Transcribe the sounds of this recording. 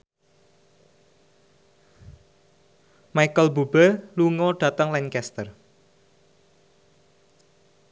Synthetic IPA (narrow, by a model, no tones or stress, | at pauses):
majkəlbubəluŋɔɖ̥ä̤t̪əŋlɛnkɛst̪ər